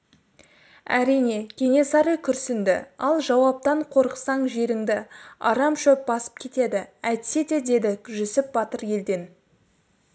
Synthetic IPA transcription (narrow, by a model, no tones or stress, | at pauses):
æ̰ɾijne̞kʲʰe̞ŋe̞sɑɾəjkʲʰʏɾsɪnd̪ɪ̰ɑlˠʒɑwɑp̚t̪ɑɴqʰo̞ɾəqsɑɴʒe̞ɾɪŋd̪ɪɑ̰ɾɑmʃɵp̚bɑsə̥p̚kʲʰe̞t̪e̞d̪ɪæjt̪se̞t̪e̞d̪e̞d̪ɪʒʏsɪp̚bɑt̪əɾje̞ld̪e̞n